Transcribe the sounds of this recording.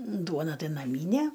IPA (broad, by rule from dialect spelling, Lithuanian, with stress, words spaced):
ˈduɔnɐ ˈtɐɪ nɐˈmʲiːnʲɛ